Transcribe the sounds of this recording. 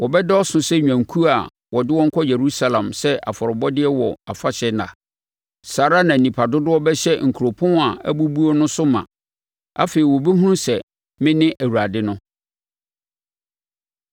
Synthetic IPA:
wɔ˨bɛ˦dɔ˦ɔ˦sʊ̃˨sɛ˦ɲᶣã˨ŋ˨kʰu˦a˨ | wɔ˨dɪ˦wɔ˦ŋ̩˦kʰɔ˦je˨ɾu˦sa˨lã˨msɛ˦a̰˨fɔ˨ɾɔ˨bɔ˦dɪ˦ɛ˦wɔ˨a̰˨fa˦ɕɛ˦nã̰˨ | saː˨ɾa˦nã˨nĩ˨pʰa˨dʊ˦dʊ˦ɔ˦bɛ˦ɕɛ˦ŋ̩˨kʰu˨ɾo˨pʰʊ̃˦n˦a˨æ̰˦bu˦bu˦ɔ˦nʊ̃˦sʊ˦mã̰˨ | a̰˦fe˨i˨wɔ˨be˦hũ˦nũ˦sɛ˨ | mɪ̃˦nɪ̃˦ʔæ˨wu˨ɾa˨dɪ˦nʊ̃˦

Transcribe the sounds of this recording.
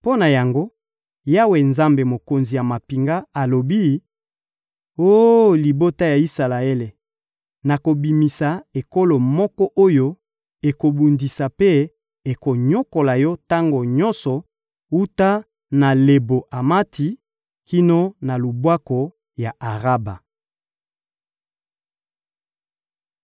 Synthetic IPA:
po˦na˨ja˨ŋɡo˦ | ja˦we˨nza˦mbe˨mo˨ko˨nzi˨ja˨ma˨pi˨ŋɡa˦a˨lo˨bi˦ | o˦li˨bo˦ta˦ja˨i˦sa˨la˨e˦le˨ | na˨ko˨bi˨mi˨sa˨e˨ko˦lo˨mɔ˦kɔ˦ʔo˦jo˦ | e˨ko˨bu˨ndi˨sa˨pe˦ | e˨ko˨ɲo˦ko˨la˨jɔ˦ta˦ŋɡo˨ɲɔ˦nsɔ˨ | u˦ta˦ | na˨le˨bo˨ʔa˨ma˦tʰi˨ | ki˦no˦na˨lu˨bwa˦kɔ˨ | ja˨ʔa˨ʁa˦ba˨

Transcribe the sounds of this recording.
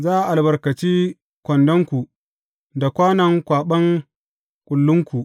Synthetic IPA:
zaː˦ʔa˨ʔa˨lbɐ˨rkɐ˨t͡ʃiː˦ | kʷɔ˨ndɔ˦ŋkʷu˨ | da˨kʷaː˦nɐ˨ŋkʷaː˨ɓɐ˦ŋ | kʷʼʊ˨lːʊ˦ŋkʷu˨ʔ

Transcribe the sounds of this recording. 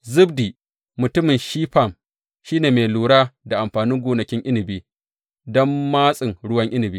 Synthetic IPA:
zɪ˦bdiː˨ | mʊ˨tʊ˦mɪ˨nʃiː˦ɸa˦˨m | ʃiː˦neː˨me˨luː˨ɽaː˦da˨ʔa˨mɸaː˨nɪ˦ŋɡʷoː˨nɐ˨kʲɪ˦ŋʔɪ˦nɪ˨biː˦ | dɔ˦mːaː˦sʼɪ˨ŋɽʊ˦wɐ˦ŋʔɪ˦nɪ˨biː˦

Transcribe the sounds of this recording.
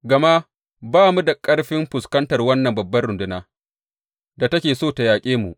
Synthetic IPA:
ɡɐ˨ma˦ | baː˦mu˦da˨kʼɐ˦ɽɸɪ˦mɸʊ˨skɐ˦ntɐ˨rwɐ˦nːɐ˨mbɐ˨bːɐ˦rɽʊ˨ndʊ˦naː˦ | da˨tɐ˦kʲeː˨soː˦˨ta˨jaː˨kʲʼeː˦mu˨ʔ

